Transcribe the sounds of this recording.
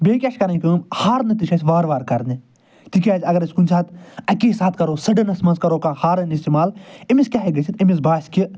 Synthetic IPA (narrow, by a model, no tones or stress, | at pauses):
beːkʲaʃkɐɾɐ̃nʲkɨːmhaːɾnɐt̪iʃʰɐsʲʋaːɾʋaːɾkɐɾni | t̪ikʲaːzʲɐɡɐɾɐsʲkunt͡ʃʰat̪ɐkʲiːsaːt̪ʰkɐɾoːsɐɖɐnɐsmɐnskɐɾoːkãhaːɾɐnist̪imaːlimiskʲaːɦeɡɐt͡ʃʰit̪imis̬baːskʲi